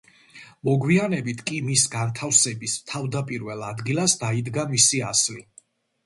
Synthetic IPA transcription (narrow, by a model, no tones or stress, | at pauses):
mɔɡwianɛbit̪ʰkʼimisɡant̪ʰafsɛbist̪ʰavd̪apʼiɾvɛlˠad̪ɡilˠasd̪aid̪ɡamisiasli